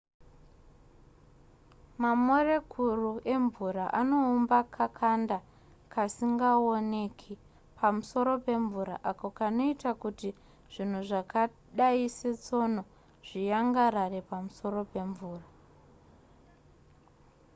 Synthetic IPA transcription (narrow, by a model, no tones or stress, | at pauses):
mamore̞kʰuruʔe̞ɱvuɾaʔano̞umbakʰakʰanda | kasiŋɡaone̞kʰi | pʰamuso̞ɾo̞pe̞ɱvuɾa̰ʔakokano̞itakuti | ʐ̥in̤uʐaka | ɗaiset͡so̞no̞ | ʐ̥ijaŋɡaɾare̞pamuso̞ro̞pe̞ɱvuːra